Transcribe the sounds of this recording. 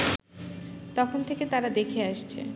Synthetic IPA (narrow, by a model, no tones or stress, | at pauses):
t̪ɔkʰont̪ʰeket̪aɾad̪ekʰeaʃt͡ɕʰḛ